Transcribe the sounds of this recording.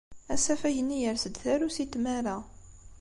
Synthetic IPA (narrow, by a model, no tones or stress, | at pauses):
æsæfæʝənːijəɾsəd̪θæɾusit̪mæɾa